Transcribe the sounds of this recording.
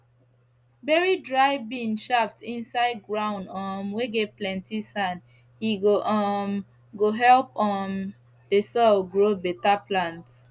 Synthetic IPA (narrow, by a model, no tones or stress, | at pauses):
bɛɹidɹaɪbĩnʃaftĩnsaɪd̚ɡɹãʊ̃ndɔmweɡɛplɛ̃ntisãn | hiɡoʔɔm | ɡoɦɛlpɔm | desɔlɡɹobɛtaplãnt